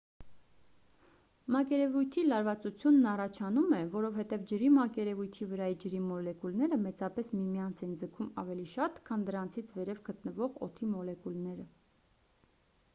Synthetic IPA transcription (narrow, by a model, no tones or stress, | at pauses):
mɑkɛɾɛvujt̪ʰilɑɾvɑt͡sut͡sʰjunːɑrɑt͡ʃʰɑnumɛvɔɾɔvhɛt̪ɛvd͡ʒəɾimɑkɛɾɛvujt̪ʰivəɾɑid͡ʒəɾimɔlɛkulnɛɾəmɛt͡sɑpɛsmimijɑnt͡sʰɛnd͡zəkʰumɑ̰vɛliʃɑt̪kʰɑnd̪əɾɑnt͡sʰit͡sʰvɛɾɛvɡət̪nəvɔʁɔ̰t̪ʰimɔlɛkulnɛɾə